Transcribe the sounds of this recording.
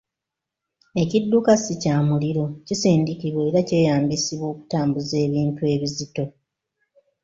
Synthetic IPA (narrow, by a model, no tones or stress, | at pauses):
e̞cidːukasicaːmuliɾo̞cisiːndikiβweeɾace̞ːjaːmbisiβwo̞ːku̥taːmbuze̞ːβiːntue̞ːβizito̞